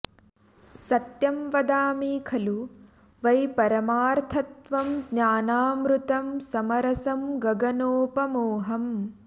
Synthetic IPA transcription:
sɐt̪jɐmʋɐd̪aːmiːkʰɐlu | ʋɐjpɐɾɐmaːɾt̪ʰɐt̪ʋɐmɡɲaːnaːmɾut̪ɐmsɐmɐɾɐsɐmɡɐɡɐnoːpɐmoːɦɐm

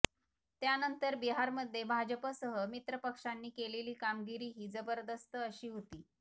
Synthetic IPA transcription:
t̪janənt̪əɾbiɦaɾməd̪ʱːebʱad͡ʑəpəsəɦəmit̪ɾəpəkʂanːiːkeleliːkamɡiɾiːɦiːd͡zəbəɾd̪əst̪əəɕiːɦot̪iː

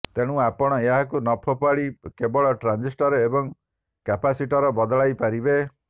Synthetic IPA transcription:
t̪eɽ̃ũapɔɽ̃ɔeɦakunɔpʰɔpaɽikebɔɭɔʈɾand͡ʒisʈɔɾebɔŋ | kapasiʈɔɾɔbɔd̪ɔɭajpaɾibe

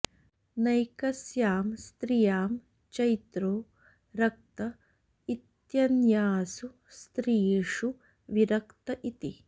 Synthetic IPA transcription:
nɐjkɐsjaːmst̪ɾijaːm | t͡ʃɐjt̪ɾoː | ɾɐk̚t̪ɐ | it̪jɐnjaːsu | st̪ɾiːʂu | ʋiɾɐkt̪ɐʔit̪i

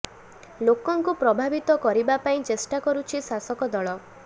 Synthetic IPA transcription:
lokɔŋkupɾɔbʱabit̪ɔkɔɾibapaĩt͡ʃesʈakɔɾut͡ʃʰisasɔkɔd̪ɔɭɔ

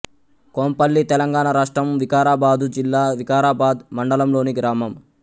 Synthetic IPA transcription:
koːmpɐlːit̪ɛlɐŋɡaːɳaɾaːʂʈɾɐmʋikaːɾaːbaːd̪ud͡ʒilːaːʋikaːɾaːbaːd̪mɐɳɖɐlɐmlo̞ːniɡɾaːmɐm

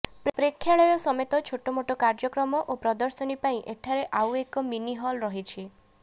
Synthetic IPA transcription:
ppɾekʰːjaɭɔjɔsɔmet̪ɔt͡ʃʰoʈɔmoʈɔkaɾd͡ʒɔkɾɔmɔʔopɾɔd̪ɔɾsɔnipaĩʔeʈʰaɾeʔawekɔminiɦɔlɾɔɦit͡ʃʰi

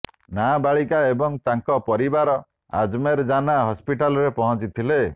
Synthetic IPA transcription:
nabaɭikaebɔŋt̪aŋkɔpɔɾibaɾɔ | a̰d͡ʒmeɾd͡ʒanaɦɔspiʈalɔɾepɔɦɔ̃t͡ʃit̪ʰile

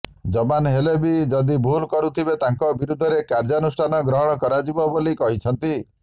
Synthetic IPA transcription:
d͡ʒɔbanɦelebid͡ʒɔd̪ibʱulkɔɾut̪ʰibet̪aŋkɔbiɾud̪ʱːɔɾekaɾd͡ʒɔnusʈʰanɔɡɾɔɦɔɽ̃ɔkɔɾad͡ʒibɔbolikɔɦit͡ʃʰɔnt̪i

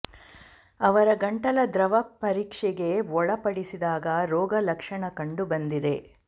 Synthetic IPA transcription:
ɐʋɐɾɐɡɐɳʈɐlɐd̪ɾɐʋɐpːɐɾiːkʂɛɡe̞ɔɭɐpɐɽisid̪aːɡɐɾɔːɡɐlɐkʂɐɳɐkɐɳɖubɐnd̪id̪e̞

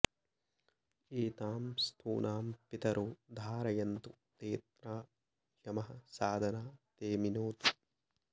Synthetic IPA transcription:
eːt̪aːmst̪ʰṵːnʔaːmpit̪ɐɾʔuːd̪ʱaːɾɐjɐnt̪u | t̪eːt̪ɾaː | jɐmɐɦɐsaːd̪ʱɐnaːt̪eːminoːt̪u̥

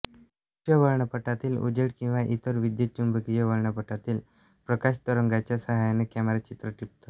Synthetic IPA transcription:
əʋəɭɳapəʈat̪iːlṵd͡ʑeɽkĩw̃ʋaʔit̪əɾʋid̪jət͡ɕːumbʱəkijəʋəɭɳəpəʈʰat̪iːl | pɾəkaɕt̪əɾəŋɡat͡ɕjasəɦajanekɛmeɾat͡ɕit̪ɾəʈip̚t̪o

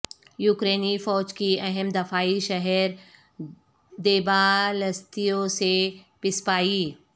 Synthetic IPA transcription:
juːkɾeːnifɔːd͡ʒkiɐɦɛmd̪ɐfaːiʃɐɦɛɾ | d̪eːbalɐst̪ijõsepɪspaːiː

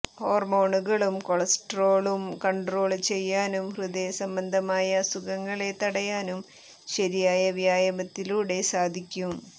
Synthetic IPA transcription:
ho̞ːrmo̞ːɳuɣɐɭumkoɭɐsʈro̞ːɭumkɐɳɖro̞ːɭt͡ɕe̞jːaːnumhrud̪esɐmbɐnd̪ʱɐmaːjɐsukɐŋːɐɭe̞t̪ːɐɽɐjaːnum | ɕɐɾijaːjɐʋjaːjɐmɐt̪ːiluːɽe̞saːd̪ʱikʲːum

